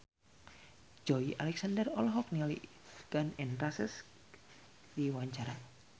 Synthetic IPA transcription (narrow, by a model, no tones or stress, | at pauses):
d͡ʒɔiʔalɛk̚sandərɔlɔɦɔk̚nilḭ | ɡ̥anɛnrasəs | diwaɲt͡ʃaɾa